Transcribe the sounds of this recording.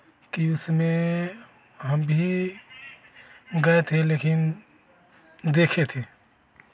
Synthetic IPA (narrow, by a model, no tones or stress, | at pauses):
kiʊsmẽ | ɦɐmbʱi | ɡɐet̪ʰeleːkɪn | d̪eːkʰet̪ʰeː